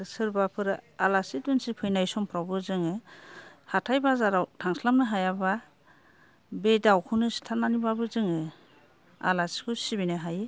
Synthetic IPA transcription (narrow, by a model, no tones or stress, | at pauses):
sɯɾbapʰɯɾɯalasit̚bɯnsipʰɯjnajsɔmpʰɾawbɯzɯŋɯ | hatʰajbazaɾawtʰaŋslamnɯɦajaba | bedawkʰunɯsi̥tʰananibabɯzɯŋɯ | a̰lasi̥kʰɯsibinaɦajɯ